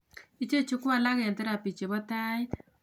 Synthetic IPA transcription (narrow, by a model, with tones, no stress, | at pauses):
i˦t͡ʃe˦t͡ʃu˦kʊ˦a˨la˦kɛ˨ntɛ˦ɾa˨pi˨t͡ʃe˨bɔ˦ta˦j